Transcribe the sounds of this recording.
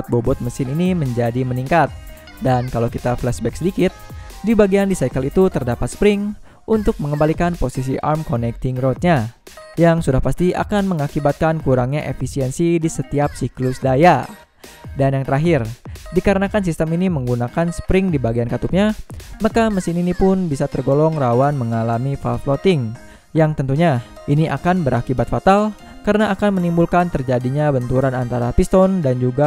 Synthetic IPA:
t̪̚bobɔt̪̚məsɪniniməɲd͡ʒadiməniŋkat̪̚ | dankalawkit̪aflɛsbɛk̚sədikɪt̪̚dibaɡiandisajkəlit̪ut̪ərdapat̪̚sə̥pɾɪŋ | ʔunt̪ʊk̚məŋəmbalikanposis̬iʔa̰rmkonɛk̚t̪ɪŋɾot̪̚ɲa | jaŋsudahpast̪iʔa̰kanməŋakibat̪̚kankuɾaŋɲaʔefisiɛnsidisət̪iap̚siklʊsdaja | danjaŋt̪əɾaɦɪrdikaɾənakans̬ist̪əminiməŋɡunakansə̥pɾɪŋdibaɡiankat̪up̚ɲamakaməsɪninipʊnbisat̪ərɡolɔŋrawanməŋalamifalflɔt̪ɪŋ | jaŋt̪ənt̪uɲa | ʔiniʔa̰kanbəɾakibat̪fat̪al | kaɾənaːkanmənimbulkant̪ərd͡ʒadiɲabənt̪uɾanant̪aɾapist̪ɔndand͡ʒuɡa

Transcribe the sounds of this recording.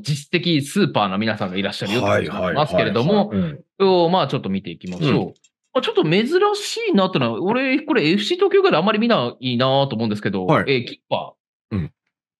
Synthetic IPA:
d͡ʑiɕi̥t̪e̞kʲisɨːpaːnomʲinasãŋɡaiɾaɕːaɾɯ̟jo̞t̪emasɨ̥ke̞ɾe̞d̪o̞mo̞ɾeomaːt͡ɕo̞t̪ːomʲit̪e̞ikʲimaɕo̞ː | at͡ɕo̞t̪ːome̞zɨɾaɕiːnat̪ːenoɾe̞ko̞ɾe̞eɸɯ̟̥ɕiːt̪oːkʲoːkad̪ãmːaɾʲimʲinaiːnat̪oːmoɯ̃nd̪s̬ɨ̥ke̞d̪o̞ekʲi̥pːa̰ː

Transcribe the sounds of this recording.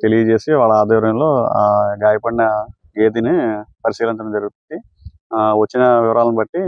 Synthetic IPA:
t̪elijɐd͡ʒe̞ːsiʋaːɭːɐaːd̪ɔːɾɐmlo̞ːaːɡaːjɐpɐɽinɐ | ɡe̞ːt̪̬inipɐɾisiːlɐnt̪̬ɐnd͡ʒɐɾuɡut̪uni | ʋɐt͡ʃːinɐʋɪʋɐɾaːlɐnibɐʈːi

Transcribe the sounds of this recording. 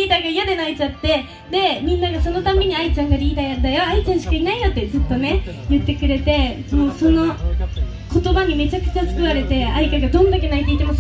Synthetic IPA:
iːt̪aɡaijad̪enoait͡ɕat̪ːe̞ | d̪e̞mʲĩnːaɡaso̞no̞t̪ame̞ɲ̟iait͡ɕãŋɡaɾʲiːd̪ajond̪ajoait͡ɕãɰ̃ɕi̥kainaijot̪ːe̞zɨt̪ːo̞ne̞ | jɯ̟t̪ːe̞kɯ̟ɾe̞t̪e̞ | moːso̞no̞ | ko̞t̪o̞baɲ̟ime̞t͡ɕakɯ̟̥t͡ɕasɨ̥kɯ̟βaɾe̞t̪e̞aikaɡad̪õ̞nd̪ake̞nait̪eit̪emas

